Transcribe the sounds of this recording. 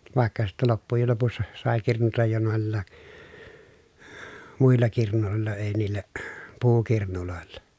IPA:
ʋɑˑekːɑ sitːɛ lopːujel lopusːɑ sɑˑe kirnutɑj jo noˑelːɑː muilːɑ kirnuloˑelˑɑ eˑi̯ niːlˑæ puːkirnuloˑelːɑ

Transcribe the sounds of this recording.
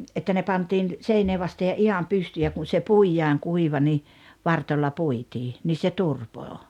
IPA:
etːæ ne pɑntiːn seineː ʋɑste jɑ ihɑm pystyː jɑ kun̞ se puijɑːŋ kuiʋɑ ni ʋɑrtolʲːɑ puitiː niː se turpoː

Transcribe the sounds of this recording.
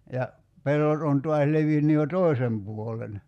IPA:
jɑ pelːot on tuɑs leʋinːy jo toˑi̞sem puolen

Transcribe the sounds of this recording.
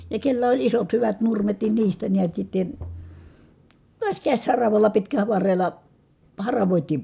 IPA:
jɑ kelːæ olʲ isot hyʋæt nurmet nin niːstæ niæt sitːen̞ tuɑs kæsʲhɑrɑʋɑlːɑ pitkæl̆æ ʋɑrːelˑɑ hɑrɑʋoˑitiːm

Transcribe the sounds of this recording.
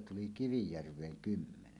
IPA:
tuli kiʋijærʋˑeːŋ kymːenen

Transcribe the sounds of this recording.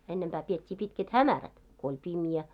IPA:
enːemb̥æː pietʲːiː pitket hæmæræt ko olʲ pimjæ

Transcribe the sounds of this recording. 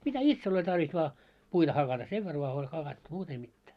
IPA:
mitæ itsel olʲ tɑrʋis ʋɑː puitɑ hɑkɑtɑ seʋ ʋer ʋoɑ olʲ hɑkɑtːu muːt ei mitːæː

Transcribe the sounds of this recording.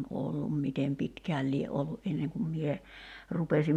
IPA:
olːum mitem pitkæːl lie ʔolːuʔ ʔenːeŋ kum mie rupesim

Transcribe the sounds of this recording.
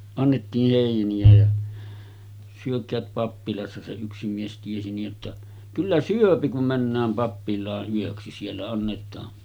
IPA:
ɑnːetːiːh heˑiniæ jɑ syøkˑæːt pɑpːilɑsːɑ se yksi mies tiesi nij jotːɑ kylːæ syøpi kum mænːæːm pɑpːilˑɑːʔ ʔyøksi sielːæ ɑnːetˑɑː

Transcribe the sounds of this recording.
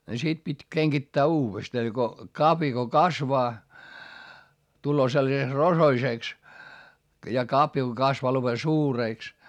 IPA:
ni sit pitʲ keŋɡ̊itːæː uːʋestɑ ni ɡ̊o kɑpjɑ ko kɑsʋɑː tulːoː selːɑseks rosoiseˑks jɑ kɑpjɑ ko kɑsʋɑː lopen suːreˑks

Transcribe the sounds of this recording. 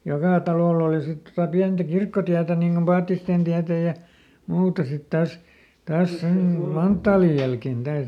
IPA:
jokɑˑ tɑloˑlː oˑli sit totɑ piæntæ kirkːotiætæ niŋ ɡ̊om pɑːtːisteˑn tiætæ jɑ muːtɑ sit tɑs tɑːs sem mu mɑntːɑːlij jælken d̥ɑːs

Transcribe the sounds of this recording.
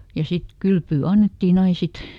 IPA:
jɑ sit kylpyː ɑnːetːiːn ɑin̞ sit

